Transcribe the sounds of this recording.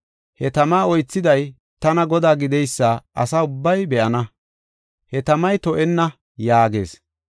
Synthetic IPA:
hɛt̪ɐmaːɔjt͡sːɪd̪ɐj | t̪ɐnɐɡɔd̪aːɡɪd̪ɛjsːaːʔɐ̰saːʊbːɐjbɛʔɐnɐ | hɛt̪ɐmɐjt̪ɔʔɛnːɐ | jaːɡeːs

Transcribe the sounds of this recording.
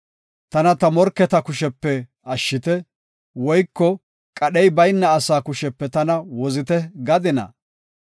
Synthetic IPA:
t̪ɐnɐt̪ɐmɔɾkːɛt̪ɐkʊʃɛpːɛ | ɐʃːɪt̪ɛ | wɔjkːɔ | kʼɐɗɛjbɐjnːɐːsaːkʊʃɛpːɛt̪ɐnɐwɔzɪt̪ɛɡɐd̪ɪnɐ̰

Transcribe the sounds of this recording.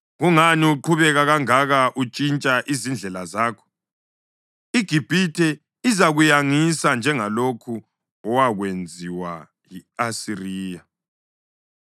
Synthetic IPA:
ɣuŋaniuǃʰuβɛɣaɣaŋaɣaʔut͡ʃʼint͡ʃʼaʔizind͡ɮʱɛlazaːkʰɔ̥ | iɡ̥ʱib̥ʱitʰɛ | izaɣujaŋisand͡ʒʱɛŋalokʰu | ɔwaɣwend͡zʱiwa̰ | jiasiriːja

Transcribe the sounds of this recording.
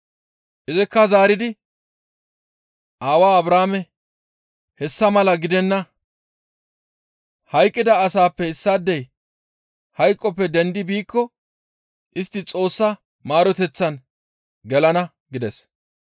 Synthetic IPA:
ʔɪzɪkːɐzaːɾɪd̪ɪ | ʔaːwaːɐbɾaːmɛ | hɛsːɐmɐlɐɡɪd̪ɛnːɐ | hɐjkʼːɪd̪ɐːsaːpːɛɪsːaːd̪ːɛj | hɐjkʼːɔpːɛd̪ɛnd̪ɪbiːkːɔ | ʔɪst̪ːɪt͡sʼo̞ːsːɐ | maːɾɔt̪ɛt͡sːɐn | ɡɛlɐnɐ | ɡɪd̪ɛs

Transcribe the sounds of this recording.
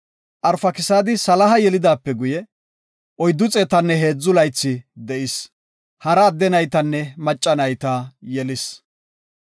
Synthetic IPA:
ʔɐɾfɐkɪsaːd̪ɪsɐlɐɦɐjɛlɪd̪aːpːɛɡʊjɛ | ʔɔjd̪ːʊt͡sʼɛːt̪ɐnːɛɦe̞ːd͡zːʊlɐjt͡sːɪd̪ɛʔɪs | hɐɾɐːd̪ːɛnɐjt̪ɐnːɛmɐt͡ʃʼːɐnɐjt̪aːjɛlɪs

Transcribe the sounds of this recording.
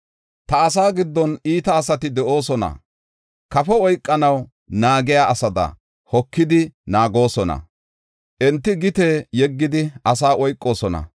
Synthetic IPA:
t̪ɐːsaːɡɪd̪ːɔniːt̪ɐːsɐt̪ɪd̪ɛʔo̞ːsɔnɐ̰ | kɐfɛɔjkʼːɐnɐw | naːɡɪjaːʔɐsɐd̪ɐ̰ | hɔkːɪd̪ɪnaːɡo̞ːsɔnɐ̰ | ʔɛnt̪ːɪɡɪt̪eːjɛɡːɪd̪ɪɐs̬aːʔɔjkʼːo̞ːsɔnɐ̰

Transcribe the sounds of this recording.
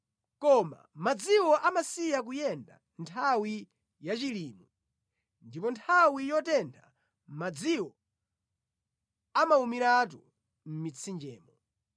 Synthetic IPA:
kɔma̰mad͡ziwɔʔamasijak̬ujɛnda̰ | ntʰawi | jat͡ʃiliːmu | ndipɔntʰawijɔtɛndʰa | mad͡ziwɔ | amaumiɾat̬u | m̩mit͡sʰind͡ʒɛːmɔ

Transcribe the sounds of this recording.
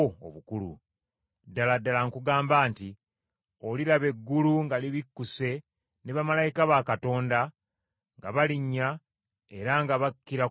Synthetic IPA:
o̰βukulṵ | dːaladːalaŋkuɡaːmbaːnti | olilaβe̞ɡːuluŋɡaliβikːuse̞ | neβamalajikaβakato̞ːnda | ŋɡaβaliɲːa | e̞ɾaŋɡaβakːiɾa

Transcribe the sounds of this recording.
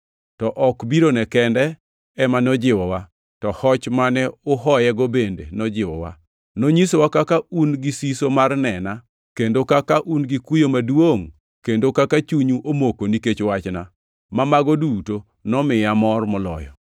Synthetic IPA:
tɔʔɔkbiɾonɛkɛndɛ | ɛmanɔd͡ʒɪwɔwa | tɔhɔt͡ʃmanɛʊɦɔjɛɡobendḛnɔd͡ʒɪwɔ̰wa̰ | noɲisowakakaunɡisisomarnɛna | kendokakaʔunɡikujomadwoŋ | kendokakat͡ʃuɲuʔomokoniket͡ʃwat͡ʃna | mamaɡoduto | nɔmɪjamɔrmɔlɔ̰jɔ̰

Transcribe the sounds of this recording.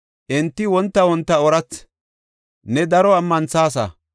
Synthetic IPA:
ʔɪnt̪ːɪwɔnt̪ːɐwɔnt̪ːɐɔɾɐt͡sː | nɛd̪ɐɾɔɐmːɐnt͡saːs̬ɐ̰

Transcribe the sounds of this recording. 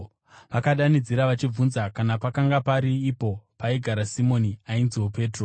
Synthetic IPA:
ʋakaɗanid͡ziɾaʋat͡ʃib͡vunzakanapakaŋɡapaɾiːpo̞paiɡʱaɾasimoniainziwope̞ːtro

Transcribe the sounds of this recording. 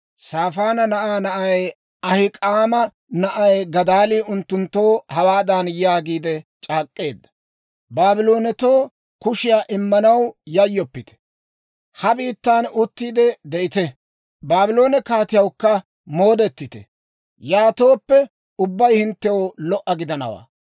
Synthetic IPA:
saːfaːnɐnɐʔaːnɐʔɐj | ɐhɪkʼaːmɐ | nɐʔɐjɡɐd̪aːliːʊnt̪ːʊnt̪ːo̞ːhɐwaːd̪anjaːɡiːd̪ɛt͡ʃʼaːkʼːe̞ːd̪ːɐ̥ | baːbɪlo̞ːnɛt̪oː | kʊʃɪjaːʔɪmːɐnɐwjɐjːɔpːɪt̪ɛ̥ | hɐbiːt̪ːaːnʊt̪ːiːd̪ɛd̪ɛɪt̪ɛ | baːbɪlo̞ːnɛkaːt̪ɪjɐwkːɐ | mo̞ːd̪ɛt̪ːɪt̪ɛ̰ | jaːt̪o̞ːpːɛ | ʊbːɐjhɪnt̪ːɛwolɔʔːɐɡɪd̪ɐnɐ̰wa̰ː

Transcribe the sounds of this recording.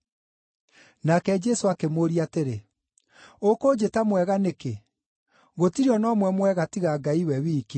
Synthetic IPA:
nakɛd͡ʒɛsoakemoɾiateɾe | okod͡ʒetamwɛɣaneke | ɣotiɾiɔnɔːmwɛmwɛɣatiɣaːɡaiwɛwiːki

